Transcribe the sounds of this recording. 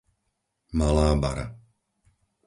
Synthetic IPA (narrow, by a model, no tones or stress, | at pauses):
malaːba̰ɾa̰